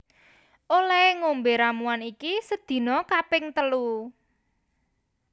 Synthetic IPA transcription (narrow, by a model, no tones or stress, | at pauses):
ʔolɛŋombeɾamuanikisəd̪̥i̤nɔkapɪŋt̪əlu